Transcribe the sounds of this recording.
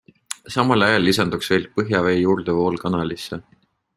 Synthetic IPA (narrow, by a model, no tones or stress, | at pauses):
sɑmɑlɑjɑlːisɑnd̪̥uksve̞l̚pɤɦjɑve̞ːjuːrd̪̥evo̞ːlkɑnɑlisːe